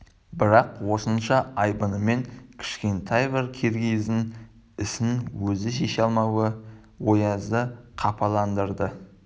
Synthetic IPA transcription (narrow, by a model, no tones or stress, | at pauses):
bɪɾɑqwo̞sənʃɑʔɑjbənəme̞ŋkʲʰɪ̥ʃkʲe̞nt̪ʰɑjbɪɾkʲʰeɾɡʲejzɪn | ɪsɪnwɵzɪʃ̬e̞ʃɑlˠmɑwə | wo̞jɑzəqʰɑpʰɑlˠɑnd̪əɾd̪ə